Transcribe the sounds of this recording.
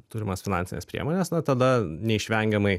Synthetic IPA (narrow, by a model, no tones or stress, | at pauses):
t̪ʊɾʲɪmɐsfʲɪnɑnʲsʲɪnʲḛspʲɾʲḭɛmoːnʲesnɐt̪ɐd̪ɐnʲɛɪʃʲʋʲɛŋʲɡʲɛmɐɪ